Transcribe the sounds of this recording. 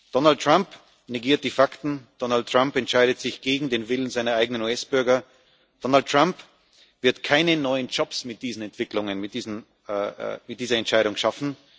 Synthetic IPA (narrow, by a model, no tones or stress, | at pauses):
d̥ɔnalt̚tʁ̥amp | neɡiːɐt̚d̥iːfaktn̩d̥ɔnalt̚ːʁ̥ampɛntʃaɪɾətz̥ɪçɡ̥eːɡŋ̩deːnvɪlən̩zaɪnɐaɪɡənənuːɛsb̥ʏɐɡɐ | d̥ɔnaltːʁ̥amp | v̥ɪɐtkʰaɪnənɔʏənd͡ʒɔpsmɪt̚d̥iːzn̩ɛntv̥ɪklʊŋənmɪtd̥iːzn̩̰ | mɪt̚d̥iːzɐɛntʃaɪɾʊŋʃafn̩